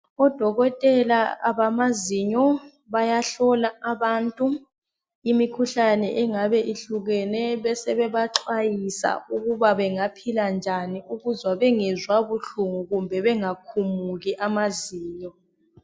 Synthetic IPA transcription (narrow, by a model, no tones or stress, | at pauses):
ɔd̥ʱɔɣɔtʼɛlaaβamaziɲɔ | βajaɬɔlaːβaːntʼu | imikʰuɬanɛʔɛŋaβɛʔiɬuɣɛnɛβɛsɛβɛβaǁwajisa̰uɣuβaβɛŋapʰiland͡ʒʱaniuɣuzwaβɛŋɛzwaβuɬuŋuɣumbʱɛβɛŋakʰumuɣiʔamaziːɲɔ